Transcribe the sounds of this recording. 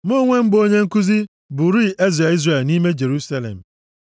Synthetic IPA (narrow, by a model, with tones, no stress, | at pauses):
mo˦ŋʷe˦m̩˦bo˦ɲe˦ŋ̩˦ku˦zi˦ | bʊ˨ɾi˦˨ʔe˦zɾe˨i˦zre˨ni˦me˦d͡ʒe˨ɾu˦sa˦lḛ˨m̩˨